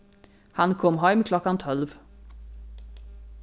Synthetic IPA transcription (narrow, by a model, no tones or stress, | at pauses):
hankʰɔmːɦɑmkʰlɔkːant̪ʰɔlv